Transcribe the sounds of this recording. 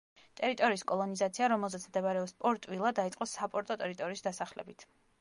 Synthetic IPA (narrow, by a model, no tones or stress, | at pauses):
t̪ʼɛɾit̪ʼɔɾiːskʼɔlˠɔnizat̪sʰiaɾɔmɛlˠzɛt̪sʰmd̪ɛbaɾɛɔpspʼɔɾt̪ʼwilˠad̪ait̪sqʼɔsapʼɔɾt̪ʼɔt̪ʼɛɾit̪ʼɔɾiːsd̪asaχlɛ̰bit̪ʰ